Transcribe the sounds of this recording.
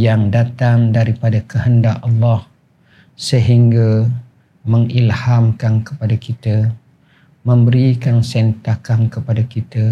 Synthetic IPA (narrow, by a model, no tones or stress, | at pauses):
jaŋdat̪aŋdaɾipadakəɦəndaʔɑlːɑh | səɦiŋɡa | məŋilhamkankə̥padakit̪ə | mə̃mbəɾikansɛnt̪akankəpadakit̪ə